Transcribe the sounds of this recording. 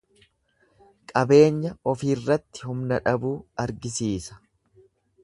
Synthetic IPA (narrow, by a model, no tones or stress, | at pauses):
kʼɐbe̞ːɲːɐɔfiːrːɐt̪ːɪ̥hʊmnɐᶑɐbuːɐɾɡɪsiːsɐ̥